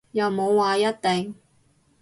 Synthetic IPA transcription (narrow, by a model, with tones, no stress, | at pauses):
jɐ˨wmo˨˧wːaː˨˧jɐ˥t̚t̪ɪ˨ŋ